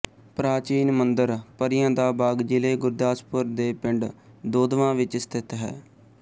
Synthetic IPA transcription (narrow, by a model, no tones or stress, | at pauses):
pɾaːt͡ʃiːnmənd̪əɾpəɾɪjãːd̪aːbaːɡd͡ʒɪleːɡʊɾd̪aːspʊɾd̪eːpɪɳɖd̪oːd̪ʋãːʋɪt͡ʃst̪ʰɪt̪ɦɛ̰ː